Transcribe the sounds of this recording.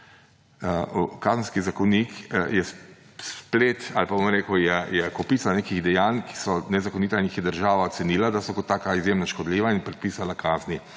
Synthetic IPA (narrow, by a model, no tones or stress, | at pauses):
ukazənskizakɔnikjɛs | splet̪alpabomɾeːkəwjɛjɛkɔpiːtsaneːkiɣd̪ɛjaːnki̥sɔnɛzakɔniːt̪anixjɛd̪əɾʒaːʋaɔt̪sɛniːlad̪asɔkɔt̪ːaːkaizjemnaʃkɔd̪liːʋainpɾɛt̪̚piːsalakʰaːzni